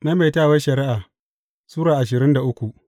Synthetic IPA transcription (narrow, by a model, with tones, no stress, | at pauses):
na˦me˨taː˦˨wɐ˦ʃɐ˨ɾɪ˦ʔaː˨ | suː˦ɾaː˨ʔa˨ʃ̬ɪ˨ɾɪ˦nda˨ʔʊ˦kʷu˨ʔ